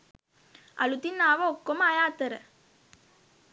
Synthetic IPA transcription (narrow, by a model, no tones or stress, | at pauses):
ʔɐ̰lut̪inaːʋɐɔkːɔmɐjaːt̪ɐɾɐ